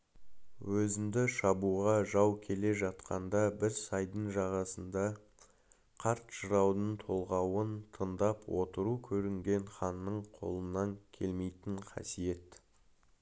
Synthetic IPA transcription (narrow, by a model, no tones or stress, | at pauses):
wɵzɪmd̪ɪʃɑbuʁɑʒɑwkʲʰe̞le̞ʒɑt̪qɑnd̪ɑbɪɾsɑjd̪əɴʒɑʁɑsənd̪ɑ | qʰɑɾt̪ʒəɾɑwnəɴt̪ʰo̞lˠʁɑwənt̪ʰənd̪ɑpwo̞̰t̪əɾukʲʰɵɾɪŋɡʲe̞nχɑnːəɴqʰo̞̰lˠənːɑŋkʲʰe̞lme̞jt̪ɪɴqʰɑ̰sije̞t̪